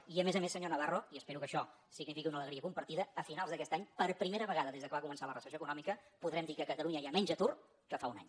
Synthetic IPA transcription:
iəmezəmesəɲonəβaroiəspeɾukəʃɔ | siɡnifikiunələɣɾiəkumpəɾt̪iðəːfinalˠzðəkɛst̪aɲpəɾpɾimeɾəβəɣaðəðezðəkəβakumənsalərəsəsoəkunɔmikəpuðɾɛmd̪ikəkət̪əlˠuɲəamɛɲʲd͡ʒət̪ur | kəfauna̰ɲ

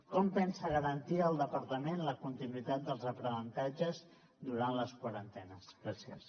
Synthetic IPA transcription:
kɔmpɛnsəɣəɾənt̪iəːlˠd̪əpəɾt̪əmenləkunt̪inwit̪at̪̚d̪əlˠzəpɾənənt̪ad͡ʒəz | d̪uɾanləskwaɾənt̪ɛnəsɣasjə̰s

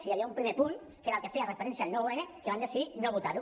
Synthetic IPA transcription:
sijaβiaumpɾimepun | keɾakefearefeɾɛnsialnoweɾekeβand̪esiðinoβut̪aɾu

